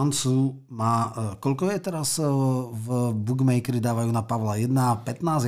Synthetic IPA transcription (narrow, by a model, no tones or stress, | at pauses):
nt͡suː | maːkɔʎkɔjɛt̪ɛɾazvbuɡmɛikɾid̪aːʋajuːnapaʋlajɛd̪napɛt̪naːz